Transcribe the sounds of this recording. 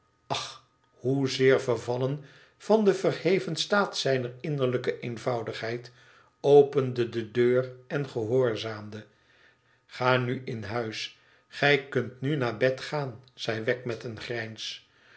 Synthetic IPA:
ɑχ | huzɪːɹvərvɑlən | v̥ɑndəvərhejvənstaːtsɛjnərɪnəɹləkəʔejnvɑwdəχɦɛjt | owpəndədədøːrɛnχəɦoːɹzaːmdə | χaːnyʔɪnɦœɥs | χɛjkɵntnynaːɹbɛtχaːnz̥ɛjʋɛk̚mɛtənχrɛjns

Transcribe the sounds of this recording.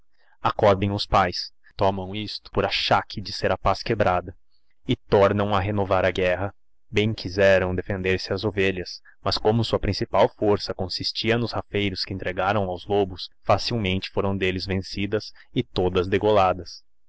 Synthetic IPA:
akɔɾd̪ẽj̃ʊspajs | t̪ɔmɐ̃w̃ist̪ʊ̥pʊɾaʃakʰɪd͡ʒɪseɾɐpaskebɾad̪ɐ | ɪt̪ɔɾnɐ̃w̃ɐɦenovaɾɐɡɛɦɐ | bẽj̃kʰizɛɾɐ̃w̃d̪efẽnd̪eɾsɪɐzoveʎɐs | mɐskõmʊsuɐpɾĩsipawfoɾsɐkõsist͡ʃiɐnʊshafejɾʊskɪẽnt̪ɾeɡaɾɐ̃w̃awzlobʊsfasiwmẽnt͡ʃɪ̥foɾɐ̃w̃d̪elɪzvẽsid̪ɐsɪt̪od̪ɐzd̪eɡolad̪ɐs

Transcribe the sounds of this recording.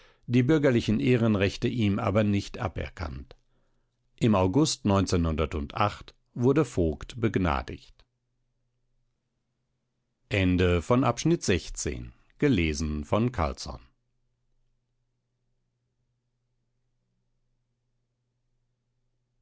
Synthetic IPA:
d̥iːbʏɐɡɐlɪçn̩ʔeːʁənʁɛçtəʔiːmʔa̰ːbɐnɪçtʔa̰pɛ̰ɐkʰa̰nt | ʔɪmaʊɡʊstnɔʏnt͡seːnhʊndɐtʊntʔa̰χt | v̥ʊɐdəfoːktb̥əɡna̰ːdɪ̰çt | ʔɛndəfɔnʔapʃnɪtz̥ɛçt͡sḛːn | ɡ̥əleːzn̩fɔnkʰa̰lt͡sɔ̰n

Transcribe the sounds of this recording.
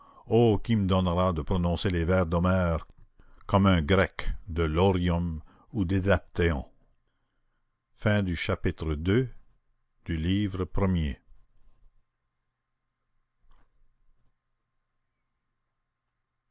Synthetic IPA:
okiməd̪ɔnʁad̪əpɾɔnɔ̃selevɛːʁd̪ɔmɛːʁ | kɔmɛ̃ɡʁɛkd̪əlɔʁjɔm | ud̪ed̪ap̚t̪eɑ̃ | fɛ̃d̪yʃapit̪ʁəd̪ø | d̪̥yliːvʁəpɾəmje

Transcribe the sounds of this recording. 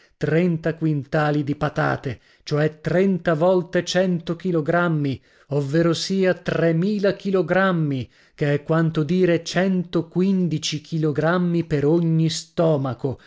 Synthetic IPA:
t̪ɾɛnt̪akwint̪aːlid̪ipat̪a̰ːt̪e | t͡ʃoɛt̪ɾɛnt̪avɔlt̪et͡ʃɛnt̪ok̟iloɡɾamːi | ovːeːɾosiːat̪remiːlak̟iloɡɾamːi | keɛkːwant̪od̪iːɾet͡ʃɛnt̪okwind̪it͡ʃikʰiloɡɾamːipeɾoɲːist̪ɔːmako

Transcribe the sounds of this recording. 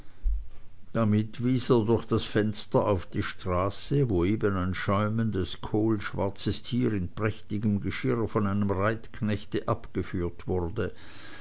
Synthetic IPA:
d̥amɪtv̥iːseːɐdʊɐçd̥asfɛnstɐʔaʊfd̥iːʃtʁ̥aːsəvoːeːbənaɪnʃɔʏməndəskʰoːlʃv̥a̰ɐt͡səstʰiːʁɪnpʁ̥ɛçtɪɡəmɡəʃɪʁfɔnaɪnəmʁaɪtkʰnɛçtəʔapɡ̥əfyːɐtv̥ʊʁdə

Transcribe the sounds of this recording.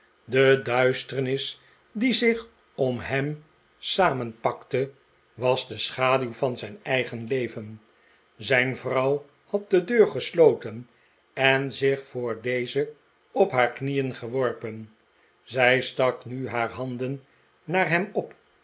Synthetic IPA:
dədœɥstəɹnɪs | dizɪχ | ɔmɦɛm | saːmənpɑktə | ʋɑzdəsχaːdywvɑnzɛjnɛjχənlejvən | zɛjnvrɑw | hɑt̚dədøːɹχəslowtən | ɛnzɪχfʊːɹdejzə | ɔpɦaːɹknijənχəʋɔɹpən | zɛjstɑknyɦaːɹɦɑndənː | aːɹɦɛmɔp

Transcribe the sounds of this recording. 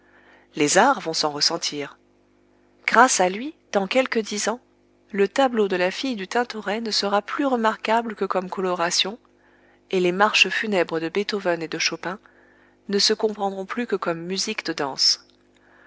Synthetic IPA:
lezaʁvɔ̃sɑ̃ʁəsɑ̃t̪ʰiːʁ | ɡ̥ʁasalɥid̪̥ɑ̃kʲɛlkəd̪izɑ̃ | lət̪ablod̪əlafijd̪yt̪ɛ̃t̪ɔʁɛnəsəʁaplyʁəmaʁkabləkəkɔmkɔlɔʁasjɔ̃ | elemaʁʃəfynɛbʁəd̪əbet̪ovɛned̪əʃopɛ̃ | nəsəkɔ̃pχɑ̃d̪ʁɔ̃plykəkɔmːyzikd̪əd̪ɑ̃s

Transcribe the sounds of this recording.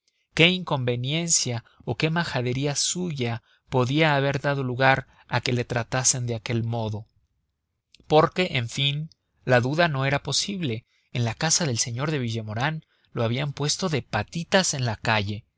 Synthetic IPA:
ke̞iŋko̞mbe̞nje̞nsja | oke̞maxaðe̞ɾiasuʝa | po̞ðiaːβ̞e̞ɾðað̞o̞luɣaɾ | ake̞le̞t̪ɾat̪ase̞nd̪e̞ake̞lmo̞ðo̞ | po̞ɾke̞ʔeɱfin | laðuðano̞e̞ɾapo̞siβle̞ː | nlakasaðe̞lse̞ɲo̞ɾðe̞βiʝe̞mo̞ɾan | lo̞aβ̞iampwe̞st̪o̞ðe̞pat̪it̪ase̞nlakaʝe̞

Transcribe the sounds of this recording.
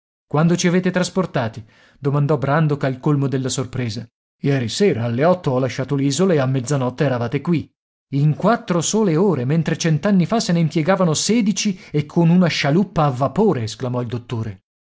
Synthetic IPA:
kwand̪ot͡ʃiaveːt̪et̪ɾasport̪aːt̪i | d̪omand̪ɔbɾand̪okalkolmod̪elːasorpɾeːza | jɛːɾiseːɾaalːeɔt̪ːoɔlːaʃːaːt̪oliːzolaeamːed̪zːanɔt̪ːeɛɾavaːt̪ekwi | iŋkwat̪ːɾosoːleoːɾement̪ɾet͡ʃɛnt̪anːifaseneimpjɛɡaːvanosɛːd̪it͡ʃiekʰːonunaʃalupːaːvːapoːɾeːsklamɔild̪ot̪ːoːɾe

